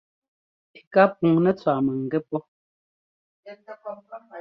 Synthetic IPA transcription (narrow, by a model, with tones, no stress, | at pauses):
pi̥˨ka˦p̚u˨ŋnɛ˦t͡swa˨mɛ˨ŋ̩˨ɡɛ˦pɔ˦